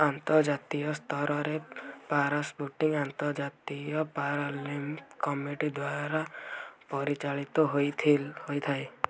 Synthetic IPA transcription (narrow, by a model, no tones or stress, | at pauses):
ant̪ɔɾd͡ʒat̪ijɔst̪ʰɔɾɔɾepaɾasbuʈiŋant̪ɔɾd͡ʒat̪ijɔpaɾɔlimkɔmiʈid̪waɾɾapɔɾit͡ʃaɭit̪ɔɦojt̪ʰhojt̪ʰae